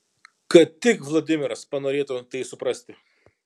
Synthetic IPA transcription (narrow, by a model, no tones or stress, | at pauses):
kɐtt̪ʲɪkʋlˠoːd̪ʲɪmʲɪɾɐspɐnoːɾʲeːt̪ʊt̪ɐɪsʊpɾɐsʲt̪ʲɪ